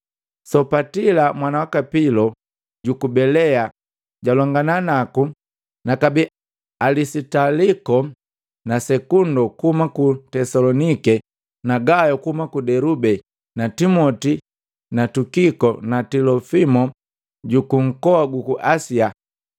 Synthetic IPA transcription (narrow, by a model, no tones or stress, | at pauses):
sɔpatilamwanawakapilɔ | ɟukubɛlɛa | ɟalɔŋɡananaku | nakabi | alisitalikɔ | nasɛkundɔkuhumakutɛsalɔnikɛ | naɡajɔkuhumakudɛɾubɛ | natimɔti | natukikɔnatilɔfimɔ | ɟukuŋ̩kɔaɡukuʔasia